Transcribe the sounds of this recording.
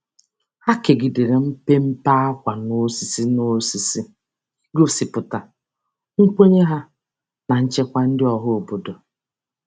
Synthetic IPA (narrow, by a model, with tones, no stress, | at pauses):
ha˦ke˨ɡi˨de˨ɾe˨m̩˦pe˦m̩˦pa˦a˦kʷa˨no˦si˨si˦no˦si˨si˦ | ɡo˦si˨pʊ˨ta˨ | ŋ̩˦k͡po˦ɲe˦ɦa˦ | na˨n̩˦t͡ʃe˦kʷa˦n̩˦dɪ˦ɔ˨ɦʊ˦o˨bo˨do˨